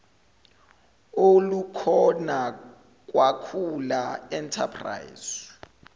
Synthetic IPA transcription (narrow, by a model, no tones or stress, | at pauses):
olukʰɔna | k̬ʼwakʰulaɛntʰa̰pʰra̰jz̥